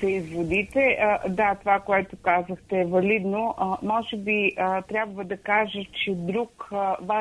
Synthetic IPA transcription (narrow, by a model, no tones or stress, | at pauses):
sɛizvod̪it̪ɛʔəd̪at̪ovakoɛt̪okazəxt̪ɛːvɐlid̪noʔəmɔʒɛbiət̪ɾʲabvəd̪ɐkaʒət͡ʃɛd̪ɾukva